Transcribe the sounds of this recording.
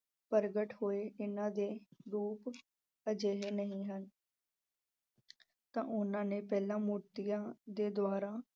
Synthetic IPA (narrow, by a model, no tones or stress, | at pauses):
pəɾɡəʈhoːeːʔɪnãːd̪eːɾuːp | əd͡ʒeːɦeːnəɦĩːɦən | t̪ã̰ːʔʊnãːneːpɛːlãːmuɾt̪ɪjãːd̪eːd̪ʊaːɾaː